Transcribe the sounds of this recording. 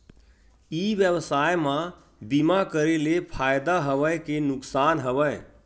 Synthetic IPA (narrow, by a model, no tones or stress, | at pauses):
iʋjəbsajmã | bimakəɾelepʰajd̪aɦəʋəjkenʊksanɦəʋəj